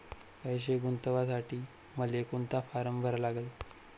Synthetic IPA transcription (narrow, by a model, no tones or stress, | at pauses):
kəjɕ̬eɡunt̪əʋasaʈiː | məlekunt̪afaɾəmbʱəɾlaɡəl